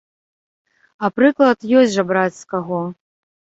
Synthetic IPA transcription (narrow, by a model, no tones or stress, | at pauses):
ɐpɾɨklˠɐt̪jɔsʲʐɐbɾat͡sʲskaɣɔ